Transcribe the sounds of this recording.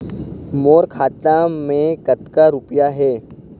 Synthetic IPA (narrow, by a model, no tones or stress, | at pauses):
moːɾkʰaːt̪amẽkɐt̪kaɾʊpjaɦɛː